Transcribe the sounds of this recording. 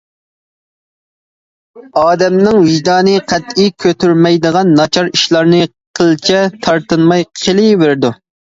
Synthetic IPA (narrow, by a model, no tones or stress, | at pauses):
ɑːd̪ɛmnɪŋwiʒd̪ɑːnɨqʰɛt̪ikʲʰøt̪yɾmɛjd̪əʁɑnːɑt͡ʃʰɑɾi̥ʃlˠɑɾnɨ | qʰəlˠt͡ʃʰɛt̪ʰɑɾt̪ɨnmɑjqʰəlˠɨveɾd̪u